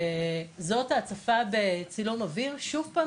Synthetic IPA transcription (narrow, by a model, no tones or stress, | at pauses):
zo̞tat͡safabet͡silumaviʁʃuvpa